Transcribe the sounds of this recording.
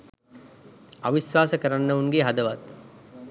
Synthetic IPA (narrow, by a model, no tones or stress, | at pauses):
a̰ʋisʋaːsəkəɾanːəuŋɡeɦad̪əʋat̪̚